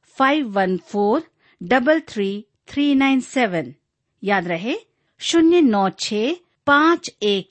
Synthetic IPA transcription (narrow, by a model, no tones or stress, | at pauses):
fʰaiʋːɐnfʰoːɾ | ɖɐbəlt̪ʰɾiː | t̪ʰɾiːnaɪnsɛːʋən | jaːd̪ɾɐɦe | ʃʊnjənɔːt͡ʃʰeː | pãːt͡ʃeːk̚